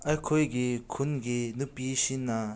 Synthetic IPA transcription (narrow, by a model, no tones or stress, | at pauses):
ʔɐjkʰojɡikʰunɡinupːiʃinːa